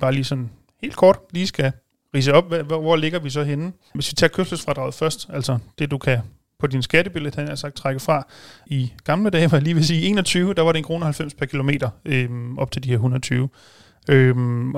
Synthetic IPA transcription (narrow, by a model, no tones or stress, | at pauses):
b̥ɑ̈ːliːsɒ̽n | he̝̰ːld̥̚kʰɒːd̥liːsɡ̥æ | ʁḭːs̬əɒ̽b̥̚ʋæʋʋɒleɡ̥ɐʋis̬ɒ̽ɦenə | ʋe̝sʋit͡sʰɑ̰ːkʰøsl̥əsfʁɑd̥ʁɑ̈ʊð̩ˠfɶɐsd̥ʔæl̰sɒd̥e̝d̥ukʰæ | pʰɒ̽d̥insɡ̥æɾəb̥elə̥hænæɐsɑ̈ɡ̥̚t͡sʰʁɑɡ̥əfʁɑ̈iɡ̥ɑ̈mləd̥ɛ̰ːʋɑæliːʋe̝siːie̝̰ːnɒ̽t͡sʰyːʊəd̥ɑ̈ʋɑ̈ɾe̝enkʁo̝ːnəhælfem̰spʰæɐkʰilo̝me̝̰ːdɐʔøʔɒ̽b̥̚t͡sʰe̝ld̥iheɐɦunɐt͡sʰyːʊ | øm